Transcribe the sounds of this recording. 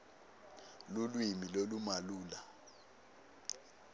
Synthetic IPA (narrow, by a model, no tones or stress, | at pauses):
lulwimilolumaluːla